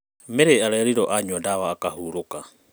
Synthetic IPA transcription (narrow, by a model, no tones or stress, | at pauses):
mɛɾɛaɾaɾiɾɔʔaɲuadaβaːkaɦuɾoka